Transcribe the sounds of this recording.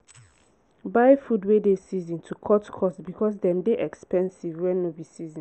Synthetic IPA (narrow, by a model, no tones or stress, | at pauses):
baɪfudwedesizɔ̃ntʰukʰɔtkʰɔsbikʰɔs̬dɛ̃mdeʔɛkspɛ̃nsivwɛ̃nːobisizɔ̃